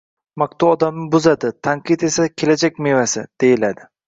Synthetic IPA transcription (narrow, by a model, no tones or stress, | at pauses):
mak̚t̪ʰʊɒd̪amɪbʊzad̪ɪt̪ʰaŋqʰɨt̪e̞sakʲʰe̞lad͡ʒakʲmevasɪd̪̥e̞jɪlad̪ɪ